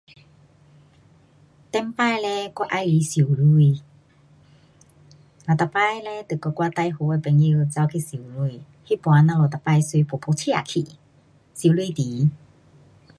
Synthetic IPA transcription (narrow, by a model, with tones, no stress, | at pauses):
t̪ɛ˧mpa˧˨jlɛ˧ka˧ʔa˧jli˨˧˦si˨˩˦wlu˧˨j | la˨˩t̪a˨˧˨pa˧˨jlɛ˧t̪ɨ˨˩˨kɔ˧kwa˧t̪a˧jɦo˧˦ɛ˧˩pɛ˧˦ŋi˧wt͡sa˧wkʰi˧˨si˨˩˦lu˧j | hi˦pwa˨˧˦na˧lo˨t̪a˨˧˩pa˧jsu˧pʰo˨pʰo˧˦tʰi˧ʔa̰˨kʰḭ˧˨ | si˨˦lu˧˨t̪i˨˦